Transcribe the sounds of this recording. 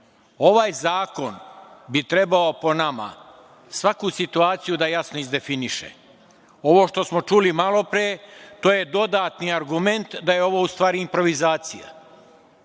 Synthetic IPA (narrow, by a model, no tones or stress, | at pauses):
o̞ʋaːjzaːko̞nbit̪ɾe̞bao̞po̞nama̰ | sʋakusit̪uaːt̪sijud̪ajasnoizd̪e̞finiʃḛ | o̞ʋo̞ːʃt̪o̞smo̞t͡ʃulimalˠo̞pɾiet̪oːje̞d̪o̞d̪aːt̪niaɾɡume̞nt̪d̪aje̞o̞ʋo̞ːust̪ʋaːɾiːmpɾo̞ʋizaːt̪sija̰